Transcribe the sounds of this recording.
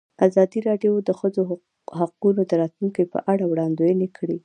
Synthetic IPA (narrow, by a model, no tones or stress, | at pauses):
azɑd̪iɾɑɖjowd̪əxəzo | haqunod̪əɾɑt̪luŋkejpə̰ʔaɽawɽɑnd̪ojənekʰɽi